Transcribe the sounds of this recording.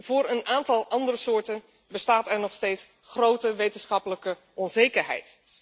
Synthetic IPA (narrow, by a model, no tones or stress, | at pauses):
v̥ʊːɾənaːntɑlˠʔɑndərəsʊːɹtən | bəstaːtɛɹnɔχstejts | χrowtəʋejtənsχɑpələkə | ʔɔnzejkəɹɦɛ̰jt